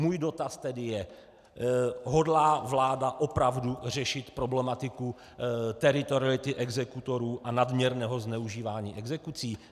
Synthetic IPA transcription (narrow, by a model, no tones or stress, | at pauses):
muːjdo̞t̪ast̪ɛdɪjɛ | ɦo̞dlaːvlaːdaʔo̞pɾavdur̝ɛʃɪt̪pɾo̞blɛmat̪ɪku | t̪ɛɾɪt̪oɾɪlɪt̪ɪʔɛɡzɛkut̪o̞ɾuːʔanadmɲɛɾnɛːɦo̞znɛuʒiːvaːɲiːʔɛɡzɛkut͡siː